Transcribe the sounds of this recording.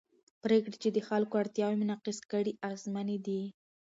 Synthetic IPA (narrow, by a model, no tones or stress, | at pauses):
pɾekɽet͡ʃed̪əxalkoaɽt̪jɑwemʊnɑqɪskəɽiʔazmaned̪i